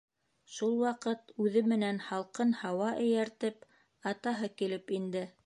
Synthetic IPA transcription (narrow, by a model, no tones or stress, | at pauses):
ʃulˠwɑqɤt̪ʉðɘmɘ̆nænhɑlˠqɤnhɑwɑʔɘ̆jæɾt̪ɘp | ɑt̪ɑɦɤkilɘpind̪ɘ